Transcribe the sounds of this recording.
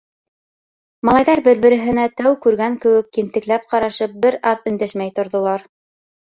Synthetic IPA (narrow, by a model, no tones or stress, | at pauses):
mɑlˠɑjðɑɾbɘɾbɘ̆ɾɘ̆ɦɘ̆næt̪æwkʉɾɡæŋkɘ̆wɘ̆kːint̪ɘ̆klæp̚qɑɾɑʃɤp̚bɘɾɑðɵ̆nd̪æʃmæjt̪ŏɾðŏlˠɑɾ